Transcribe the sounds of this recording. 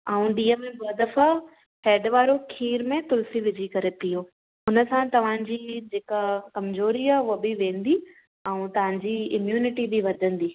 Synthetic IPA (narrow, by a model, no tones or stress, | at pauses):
aːũɗiːəmẽboːd̪əfa | hɛːɖʋaːɾokʰiːɾmẽt̪ʊlsiʋɪd͡ʑʱikɐɾet̪iɦõː | ɦʊnəsãt̪ɐʋ̤ãɲd͡ʑiːd͡ʑeːkakɐmzoːɾiaːɦʊɦəbɪʋẽːnd̪i | ɛ̃ũt̪ɐʋ̤ãɲd͡ʑiɪmjuːnɪʈibiʋɐɾd̪ʱə̃nd̪iː